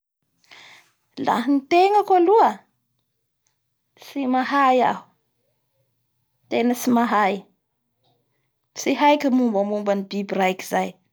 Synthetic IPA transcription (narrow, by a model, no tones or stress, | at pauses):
la̰ɦinit̪eŋakaluə | simaɦaja̰ɦu̥ | t̪enəsimaɦaj | siɦajkʲimumbəmumbanibibirajki̥zaj